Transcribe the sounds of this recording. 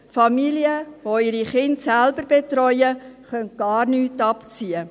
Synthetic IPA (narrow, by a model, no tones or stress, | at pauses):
fɑmiliəvoɪɾiχɪntsælbəɾbetɾɔjəχœntɡ̥ɑːɾnyːtɑpt͡siə